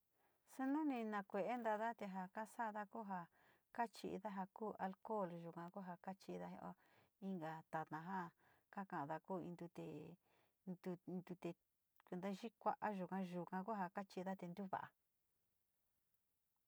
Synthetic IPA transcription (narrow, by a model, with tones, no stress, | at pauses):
su˦nũ˦nĩ˧nã˧kʷe˧˨ʔe˦nd̪a˧ða˦t̪e˧ɦa˧ka˦sa˦˧ða˦ku˦ɦa˧ | ka˦t͡ʃi˧ḭ˧ða˦ɦa˧kuː˦a˧lko˦˨lʒu˨kã˧ku˦ɦa˧ka˦t͡ʃi˧ða˦ɦʔo˦ | i˦ŋɡa˧˨t̪a˨t̪nã˧ɦa˦ka˦kã˧ʔða˧kuː˦˨ḭ̃˧nd̪u˧t̪e˧˨ | nd̪u˧d̪u˧t̪e˧ | kʷe˧nd̪a˦ʒi˦kʷa˦ʔa˧ʒu˨kã˧ʒu˧kã˧ku˦ɦa˧ka˦t͡ʃi˧ða˦t̪e˧nd̪u˦βa̰˨ʔa̰˨